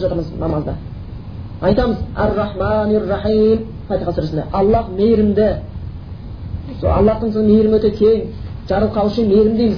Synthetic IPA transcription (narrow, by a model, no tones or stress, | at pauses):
ʒɑt̪əɾɴəznɑmɑzd̪ɑ̰ | ɑjt̪ɑməzæ̰rːɑħmanrːɑħiːm | pʰɑt̪ijqʰɑsəɾɪsnd̪eʔɑlˠːɑqmejɾɪmd̪ɪ | so̰ɑ̰lˠːɑqt̪əɴsonmejɾɪmwɵt̪ek̪ʲʰeŋ | ʒɑɾəlˠqʰɑwʃimejɾɪmd̪ejmɪz